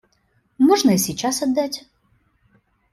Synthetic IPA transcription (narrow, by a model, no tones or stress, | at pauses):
mɔʐnəsʲit͡ɕasɐd̪ːatʲ